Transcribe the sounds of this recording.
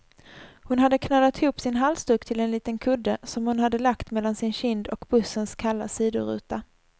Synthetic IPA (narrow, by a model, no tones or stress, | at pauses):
hʊnɦad̪ːəkʰnalːat̪ɪhuːpːsɪnɦalst̪ɵkt̪ʰɪlɛnliːt̪ənkʰɵd̪ːəsɔmhʊnhad̪ːəlakt̪mɛlːansɪnɕɪnd̪ɔkb̥ɵsːənskʰalːa̰siːd̪ʊ̰ɾʉ̰ːt̪a